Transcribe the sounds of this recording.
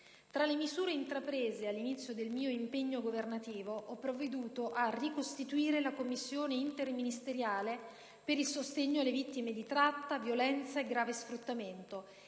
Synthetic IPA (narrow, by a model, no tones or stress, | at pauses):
t̪ɾalemizuːɾeint̪ɾapɾeːzealːinit̪sːjod̪elmiːoimpeɲːoɡovernat̪iːvoʔɔpːɾoved̪uːt̪oʔarikost̪it̪uiːɾelakomːisːjoːneint̪erminist̪eɾjaːle | peɾilsost̪eɲːoalːevit̪ːimed̪it̪ɾat̪ːavjolɛnt̪saeɡɾaːvesfɾut̪ːament̪o